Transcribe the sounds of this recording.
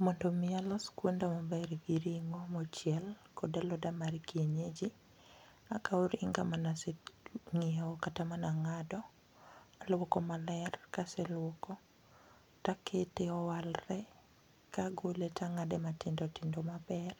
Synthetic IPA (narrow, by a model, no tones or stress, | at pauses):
mɔndomɪalɔskwondamɔbɛrɡiɾiŋomɔt͡ʃjɛlkʰɔdalɔdamaɾkieɲed͡ʒi | akaoɾiŋɡamanaseŋiaɔkatamanaŋadɔ | alwɔkɔmalɛrkasɛlwɔkɔ | takʰeteɔwalrɛ | kaɡoletʰaŋadematɪndɔtɪndomapɛr